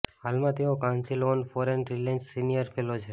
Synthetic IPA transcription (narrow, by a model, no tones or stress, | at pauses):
ɦalmãt̪eõkãnsilonfɔɾenɾilẽnt͡ʃsinijəɾfʰelot͡ʃʰe